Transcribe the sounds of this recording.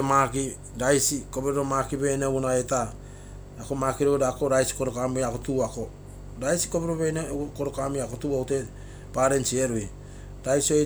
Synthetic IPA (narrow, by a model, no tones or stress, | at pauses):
maki | ɾajsiko̞beɾoɾomakiβe̞neowunaeta | akomakiɾoɾako̞ɾajsi̥ko̞ɾokamiakotuako̞ | ɾajsi̥kobeɾoβenekoɾokamiakotuawte̞ | paɾe̞nsieɾui | ɾajsio